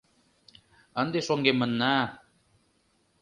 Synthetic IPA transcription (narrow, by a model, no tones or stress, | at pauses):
ə̆nd̪eʃoŋɡemə̆nːa